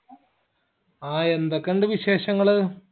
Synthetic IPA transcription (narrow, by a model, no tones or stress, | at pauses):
aːend̪ɐkːɐɳɖɨʋiɕe̞ːɕɐŋːɐɭɨ